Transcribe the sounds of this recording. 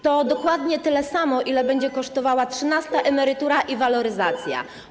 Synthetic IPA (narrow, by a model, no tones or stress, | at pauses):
t̪ɔd̪ɔkwad̪ɲɛt̪ɘlɛsamɔʔilɛbɛɲd͡ʑɛkɔʂt̪ɔvawatʂɘnast̪aʔɛmɛɾɘt̪uɾaʔivalɔɾɘzat̪sʲja̰